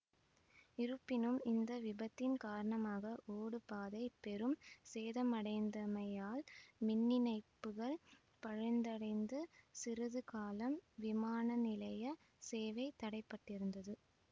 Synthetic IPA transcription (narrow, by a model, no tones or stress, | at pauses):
ɪɾɯpːɪnɯmɪnd̪ɐʋɪbɐt̪ːɪnkaːɾɐɳɐmaːɣɐʔoːɽɯpaːðɐɪpɛɾɯmseːðɐmɐɽɐɪnd̪ɐmɐjaːlmɪnːɪnɐɪpːɯɣɐɭ | pɐɻɐɪnd̪ɐɽɐɪnd̪ɯsɪɾɐðɯkaːlɐmʋɪmaːnɐnɪlɐjɐ | seːʋɐɪt̪ːɐɽɐɪpːɐʈːɪɾɯnd̪ɐðɯ